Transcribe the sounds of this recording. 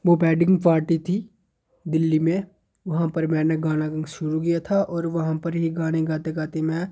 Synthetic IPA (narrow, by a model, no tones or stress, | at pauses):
ʋopɛːɖɪ̃ŋɡpaːɾʈit̪ʰi | d̪ɪlːimẽ | ʋɐɦãpɐɾmɛ̃ːneɡaːñaɡɐ̃ŋɡʃʊɾuk̬ɪjat̪ʰaʔɔːɾʋɐɦãpɐɾɦiɡaːñeɡaːt̪eɡaːt̪emẽː